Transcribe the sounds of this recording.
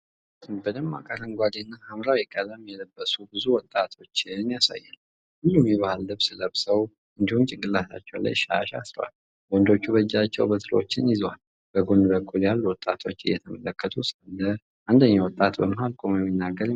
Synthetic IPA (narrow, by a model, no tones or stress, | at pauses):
t̪ʰmbəd̪əmːa̰kʼaɾɨŋɡʷad̪enːahamɾawjɛkʼəlːəmjɛləbːəsubɨzuwɔt̪ʼːat̪ʰo̞t͡ʃːɪnijasa̰jːan | hulːumjɛβahalːɨβsɨləβsəw | ɨnd̪ihumt͡ʃʼɪŋɡʼɨlːasa̰t͡ʃːɛwla̰jʃa̰ʃa̰sɾə̰wa̰l | ɡɔnd̪o̞t͡ʃːuβəd͡ʒːat͡ʃːɛwbət̪ʰɨlo̞̰t͡ʃːɪnjɪzwal | b̥əɡo̞nd̪bəkʼːuljalːuwɔt̪ʼːat̪ʰo̞t͡ʃːɨ̰jɛt̪ʰəmələkʰːət̪ʰusalːə | ʔand̪əɲːawɔt̪ʼːat̪bəməɦalkʼomjɛmːinːaɡəɾ